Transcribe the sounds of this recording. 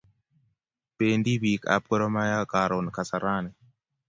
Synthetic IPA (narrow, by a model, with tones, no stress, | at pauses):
pe˨ndi˦bi˨ka̰˨p̚kɔ˦ɾɔ˦ma˦ja˦kaɾɔnka˨sa˨ɾa˦nɛ˨